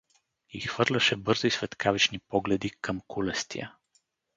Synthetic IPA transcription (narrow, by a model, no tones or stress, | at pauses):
ixv̥ɤɾlʲɐʃɛbɤɾzisvɛt̪kʰavit͡ʃnipɔɡlɛd̪ikʰɤmkulɛst̪ḭjə̰